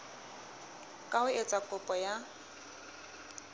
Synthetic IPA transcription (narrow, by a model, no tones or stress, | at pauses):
kʼaʊet͡sʼakʼʊpʼɔja